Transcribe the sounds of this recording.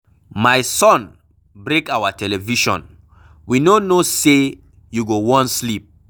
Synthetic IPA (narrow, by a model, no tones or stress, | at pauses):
majsɔ̃n | bɹekawatʰɛlɛviʃɔ̰̃n | winonose | juɡowɔ̃nslip̚